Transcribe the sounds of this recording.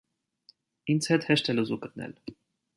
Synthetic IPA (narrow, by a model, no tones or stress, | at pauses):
int͡sʰhɛt̪hɛʃt̪ʰɛluzukət̪̚nɛ̰l